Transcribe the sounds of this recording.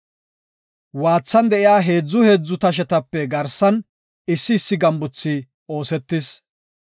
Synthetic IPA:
waːt͡sːɐnd̪ɛʔɪjaːɦe̞ːd͡zːʊhe̞ːd͡zːʊt̪ɐʃ̬ɛt̪ɐpːɛɡɐɾsɐn | ɪsːɪːsːɪɡɐmbʊt͡sːi | o̞ːsɛt̪ːɪs

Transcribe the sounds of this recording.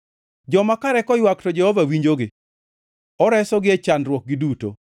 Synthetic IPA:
d͡ʒɔmakaɾɛkɔjwaktɔd͡ʒɛhɔvawiɲd͡ʒoɡɪ | ɔɾɛsɔɡɪet͡ʃanrwɔk̚ɡɪduto̰

